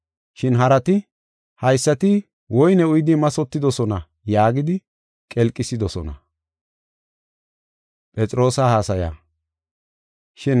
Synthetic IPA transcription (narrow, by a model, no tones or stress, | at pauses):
ʃɪnɦɐɾɐt̪ɪ | hɐjsːɐt̪ɪ | wɔjnɛʊjd̪ɪmɐsɔt̪ːɪd̪ɔsɔnɐ | jaːɡɪd̪ɪ | kʼɛlkʼːɪsɪd̪ɔsɔnɐ̰ | pʼɛt͡sʼɪɾo̞ːsahaːsɐja̰ː | ʃɪn